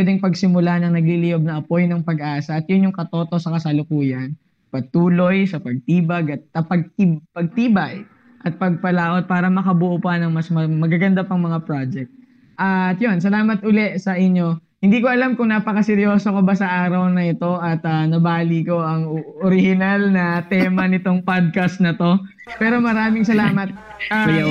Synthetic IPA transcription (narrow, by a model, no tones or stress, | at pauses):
pɛːd̪ɛŋpɐɡsɪmʊlanɐŋnɐɡ̚lilɪjob̚nɐʔɐpo̞jnɐŋpɐɡʔaːsɐʔːt̪̚jʊnjʊŋkɐt̪o̞t̪o̞sɐkɐsɐlʊkuːjɐn | pɐɡ̚t̪uːlo̞jsɐpɐɡ̚t̪iːbɐɡɐt̪̚ːɐpɐɡ̚t̪ibpɐɡ̚t̪iːbɐj | ʔɐt̪̚pɐɡ̚pɐlaːʔo̞d̪̚paːɾɐmɐkɐbʊʔʊpanɐŋmɐsmɐmɐɡaɡɐnd̪apɐŋmɐŋapɾad͡ʒɛk̚t̪̚ | ʔɐt̪jo̞ns̬ɐlaːmɐt̪̚ʔʊlɛʔsɐʔɪɲːo̞ | hɪnd̪iːkoʔɐlamkʊŋnaːpɐkɐsɛɾjo̞ːsokobasɐʔaːɾɐwnɐɪt̪o̞ʔɐt̪ɐnɐbaːliko̞ɐŋoɾɪhɪnalnɐt̪ɛːmɐnɪt̪o̞ŋpad̪̚kɐst̪̚nɐt̪o̞ | pɛːɾo̞mɐɾaːmɪŋsɐlaːmɐt̪̚ | a